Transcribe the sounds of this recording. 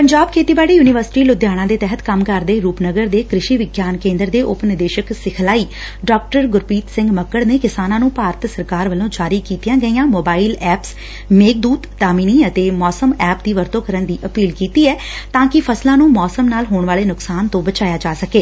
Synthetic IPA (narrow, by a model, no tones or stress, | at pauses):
pəɲd͡ʒaːb̚kʰeːt̪iːbaːɽiːjuːnɪʋəɾsɪ̥ʈiːlʊd̪jaːɽ̃ãːd̪eːt̪ɛɦət̪kəmkəɾd̪eːɾuːpnəɡəɾd̪eːkɾɪʃiːʋɪɡjaːnkẽːnd̪əɾd̪eːʔʊpnɪd̪eːʃəksɪkʰlaːiː | ɖɔːk̚ʈəɾɡʊɾpiːt̪sɪ̃ŋɡməkːəɽneːkɪsaːnãːnũːpaːɾət̪səɾkaːɾʋəlõːd͡ʒaːɾiːkiːt̪ijãːɡəijãːmoːbaːiːlɛːps | meːk̚d̪uːt̪ːaːmiːniːət̪eːmɔːsəmɛːp̚d̪iːʋəɾt̪õːkəɾənd̪iːʔəpiːlkiːt̪iːɛː | t̪ãːkɪpʰəslãːnũːmɔːsəmnaːlɦoːɳʋaːleːnʊksaːnt̪õːbət͡ʃaːjaːd͡ʒaːsəkeː